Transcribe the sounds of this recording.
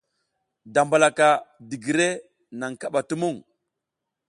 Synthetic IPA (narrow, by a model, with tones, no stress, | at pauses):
da˨mba˨la˨ka˨di˨ɡi˨ɾe˦ | na˨ŋka˦ɓa˨tu˦mu˦˨ŋ